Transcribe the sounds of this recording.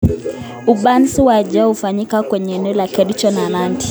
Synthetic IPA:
uɓansiwaʄahufaɲikakwɛɲɛːnɛɔlakɛɗit͡ʃɔnananti̥

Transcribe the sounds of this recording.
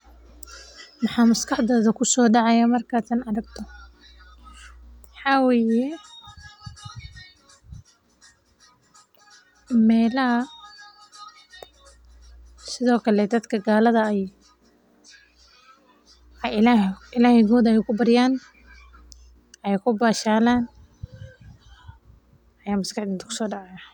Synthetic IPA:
mɑħɑːmɐskʰɑħd̪ɔːðɐkʰʊsɔːɖɑʕɑjamɐrkʰaːt̪ɐnɐɾɐɡ̚t̪ʰɔ | mɑħɑːwɛːjɛ | mɛːlɐɦɐ | sɪðɔːkʰɐlɛd̪ɐd̪kʰɐɡaːlɐðɐɛj | laɪlaːhɛjɡɔːd̪ɛjkʰʊbɐɾɪjaːn | ʔɛjkʰʊbaːʃaːlaːn | ɐjaːmʊskɐħd̪int̪kʰʊ̥sɔːɖɑʕajɐ

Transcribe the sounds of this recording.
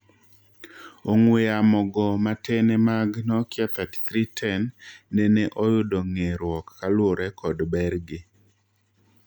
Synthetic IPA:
oŋweamɔɡɔmatɛnemaɡnɔkjat̪atkɾitʰɛnːeneʔojʊdɔŋeɾwɔkːalwoɾɛkʰɔdbɛɾɡɪ

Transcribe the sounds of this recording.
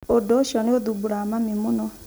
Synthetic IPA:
odoʃɔneoðubuɾamamimonɔ

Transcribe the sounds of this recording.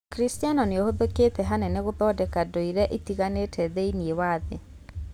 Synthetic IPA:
kɾistianɔneohoðeket̪ɛɦanɛneɣobɔdɛkadoiɾɛʔit̪iɣanetʰɛðeiniewaðe

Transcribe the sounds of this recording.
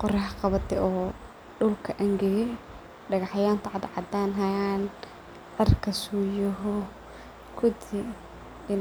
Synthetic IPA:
qʊɾɛɦɐqɑβɐt̪ʰɛɔː | ɖʊlkʰɐʔɐŋɡɛjɛ | ɖɐɣɑħjaːnt̪ʰɐʕɑd̪ʕɑd̪aːnɦɐjan | ʕɛrkʰɐsuːjɔɦɔ | kʰʊd̪i | ɪn

